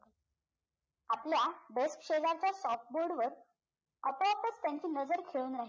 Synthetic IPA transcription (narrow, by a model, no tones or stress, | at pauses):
apljabeskɕed͡zaɾt͡ɕjasɔft̪̚boɾɽʋəɾ | əpɔ̃əpət͡st̪jãɲt͡ɕiːnəd͡zəɾkʰeɭuːnɾaɦi